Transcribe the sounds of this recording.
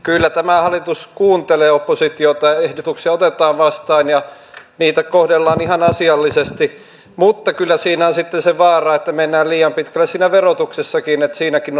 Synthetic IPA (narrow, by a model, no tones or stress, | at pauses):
kylːæt̪æmæhɑlːˑit̪uskuːnt̪eleːopːosit̪iot̪ɑjɑehdot̪uksiɑot̪et̪ɑːʋʋɑst̪ɑːnjɑ | niːt̪ækohdelːɑːnihɑnɑsiɑlːisest̪i | mut̪ːɑkylːæsiːnæonsit̪ːenseʋɑːrɑet̪ːæmenːæːliːjɑmpit̪kælːæsiːnæʋerot̪uksesːɑkinet̪siːnækin